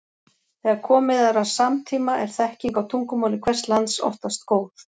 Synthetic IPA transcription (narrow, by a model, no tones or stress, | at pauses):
θɛːɣaɾkʰɔːmɪðaɾasamt̪ʰiːmaʔɛɾ̥θɛhciŋkawt̪ʰuŋkʏmawlɪkʰvɛr̥t̪lant̪sɔ̰ft̪ast̪koːwθ